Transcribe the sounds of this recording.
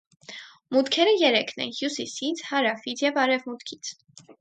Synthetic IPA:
mut̪kʰɛɾəjɛɾɛkʰnɛ̰nhjusisit͡sʰhɑɾɑfit͡sʰjɛvɑɾɛvmut̪kʰi̥t͡sʰ

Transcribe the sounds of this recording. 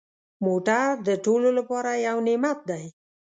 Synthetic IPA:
moʈaɾd̪əʈololapɑɾajawnemat̪̚d̪aj

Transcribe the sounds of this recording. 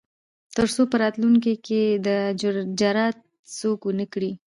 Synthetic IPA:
t̪əɾsopəɾɑt̪luŋk̬iked̪əd͡ʒɑɾɑt̪̚ | sokwənəkɽi

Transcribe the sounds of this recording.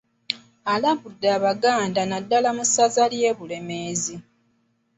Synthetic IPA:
alaβudːaːβaɡaːndanadːalamusazalje̞ːβule̞me̞ːzi

